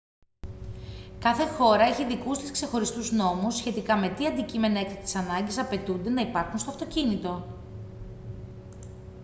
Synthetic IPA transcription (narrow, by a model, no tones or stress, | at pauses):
kɐθe̞xo̞ɾɐe̞çiðikust̪iskse̞xo̞ɾist̪uzno̞musçe̞t̪ikɐme̞t̪iɐnd̪icime̞nɐekt̪ɐt̪i̥sɐnɐɲɟisɐpe̞t̪und̪e̞nɐipɐɾxunst̪o̞ɐft̪o̞cinit̪o̞